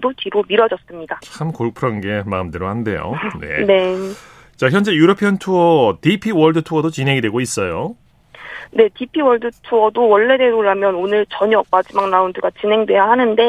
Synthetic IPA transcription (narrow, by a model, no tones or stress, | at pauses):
dot͡ɕiɾomiɾʌd͡ʑʌs͈ɯmɲidat͡ɕʰamkoɭk̚pʰɯɾʌnɡe̞maɯmdɯɾohande̞̰jo̰ne̞̰ne̞ | t͡ɕaçjʌnd͡ʑe̞juɾʌpʰjʌntʰuʌtipʰiwʌɭdɯtʰuʌdot͡ɕinɦe̞ŋidwe̞ɡois͈ʌjo | ne̞tipʰiwʌɭdɯtʰuʌdowʌɭːe̞de̞doɭːamjʌnonɯɭt͡ɕʌɲʌk̚p͈ad͡ʑimaŋnaundɯɡat͡ɕinɦe̞ŋdwe̞jahanɯnde̞